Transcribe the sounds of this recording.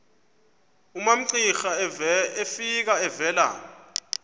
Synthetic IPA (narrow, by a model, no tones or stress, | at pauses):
umam̩ǀixaefik̬aɛvɛːla̰ːɔ